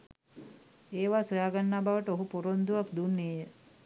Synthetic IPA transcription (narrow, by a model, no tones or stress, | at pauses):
eːʋaːsojaːɡanːaːbaʋəʈəoɦupoɾond̪uʋakd̪unːeːjə